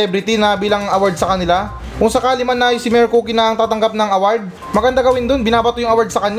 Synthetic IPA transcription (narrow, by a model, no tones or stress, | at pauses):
ɛbɾɪt̪inɐbiːlɐŋɐwaɹd̪̚sɐkɐnɪla | kʊŋsɐkaːlɪmanːɐjsɪmɛɹkuːkɪnɐɐŋt̪aːt̪ɐŋɡap̚nɐŋɐwaɹd̪̚ | mɐɡɐnd̪aɡɐwɪnd̪onbɪnaːbɐt̪ojʊŋʔɐwaɹd̪̚sɐkɐɲ